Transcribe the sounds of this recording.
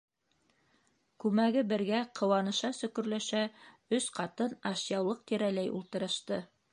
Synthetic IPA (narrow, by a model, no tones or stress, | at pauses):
kʉmæɡɘbɘ̆ɾɡæqʰɤ̆wɑnɤ̆ʃɑsɵ̆kɵ̆ɾlæʃæ | ɵsqɑt̪ɤnɑʃjɑwlˠɤq̚t̪iɾælæjṵlˠt̪ɤ̆ɾɤ̆ʃt̪ɤ